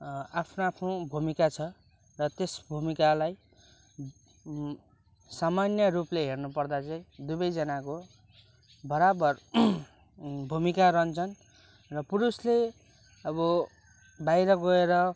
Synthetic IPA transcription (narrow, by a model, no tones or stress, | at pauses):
apʰnoapʰnobʱumikat͡sʰʌ | rʌt̪esbʱumikalaj | samanjʌrupleɦernupʌrd̪at͡sʌĩd̪ubʌjd͡zʌnako | bʌɾabʌr | bʱumikaɾʌnt͡sʰʌn | rʌpuɾusle | ʌbʌ | bajɾʌɡʌeɾʌ